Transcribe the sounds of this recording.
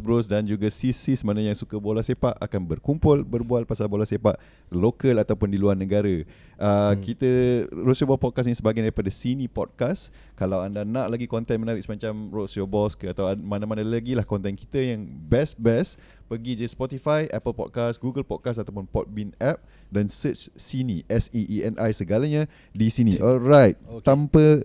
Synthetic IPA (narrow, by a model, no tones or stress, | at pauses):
bɾʊsdand͡ʒuɡasisisəmanãjaŋsukabolasepaʔa̰kanbərkumpʊlbərbualpasalbolasepaʔ | lokəlat̪awpʊndiluanːəɡaɾə | ʔəkit̪əɾoʔsjobɔpɔd̚kas̬nisəbaɡajdaɾipadasinĩpɔ̰d̚kas | kalawandanaʔlaɡikɔnt̪ɛnmənaɾɪk̚səmat͡ʃamrosobɔskəat̪awamanamanãlaɡilahkɔnt̪ɛnki̥t̪əjaŋbɛsbɛs | pəɡid͡ʒəspɔt̪ifajʔɛpəlpɔ̰d̚kasɡuɡəlpɔ̰d̚kas̬at̪awpʊnpɔt̪̚binɛp̚ | dansət͡ʃsiniʔɛsiʔiɛnʔajsəɡalaɲa | disiniʔɔlɾajt̪̚t̪ampə